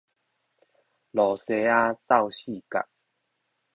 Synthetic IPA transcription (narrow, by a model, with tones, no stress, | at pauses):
lɔ˨˩se˧a˦t̪a˥˧wɕi˥˨ka̰˨ʔ